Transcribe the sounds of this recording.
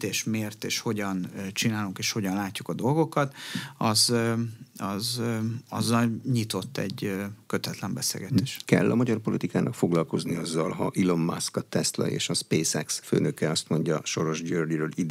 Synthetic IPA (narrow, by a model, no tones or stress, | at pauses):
t̪eːʃmeːrt̪eːʃho̞ɟɒnt͡ʃinaːluŋkeːʃho̞ɟɒnlaːcːukɒd̪o̞lɡo̞kɒt̪ɒz | ɒzɒzːɒlɲit̪o̞t̪ːɛ̰ɟøkøt̪ɛt̪lɛmbɛsḛːlɡɛt̪eːʃkɛ̰lːɒmɒɟɒrpo̞lit̪ikaːnʔɒkfo̞ɡlɒlko̞zniɒzːɒlɦɒʔilomːa̰skɒt̪ɛst̪lɒ̰jḛːʃɒspeːsɛksfø̰ːnøkɛɒst̪mo̞ɲɟɒʃo̞ɾo̞ʒd͡ʒøːrdiɾøːlid̪